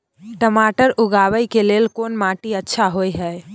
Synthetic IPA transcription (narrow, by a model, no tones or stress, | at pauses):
ʈəmaʈəɾuɡabəjkelelkonmaʈiətːʃʰaɦojɦəj